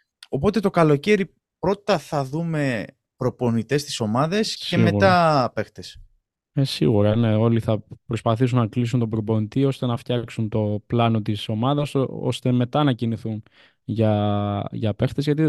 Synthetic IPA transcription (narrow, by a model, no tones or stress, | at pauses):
o̞po̞t̪e̞t̪o̞kɐlo̞ce̞ɾi | pɾo̞t̪ɐθɐðume̞ | pɾo̞po̞nit̪e̞st̪i̥so̞mɐðescsemeɣut̪ɐpe̞xt̪es | esḭɣuɾɐne̞o̞liθɐpɾo̞spɐθis̬unɐklis̬unt̪o̞bɾopo̞nit̪io̞st̪e̞nɐft̪çɐksunt̪o̞plɐno̞t̪iso̞mɐðɐso̞̰st̪e̞me̞t̪ɐnɐciniθun | ʝɐʝɐpe̞xt̪e̞zʝɐt̪i